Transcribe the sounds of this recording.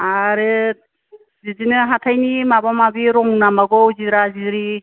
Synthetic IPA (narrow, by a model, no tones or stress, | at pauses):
aɾɯt̚ | zizinɯɦatʰajnimabamabiɾɔŋnamaɡɔwziɾaziɾi